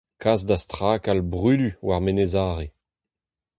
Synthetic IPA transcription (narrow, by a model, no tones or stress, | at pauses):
kʰazd̪ast̪χaːkalbʁyːlywaʁmenezaːʁe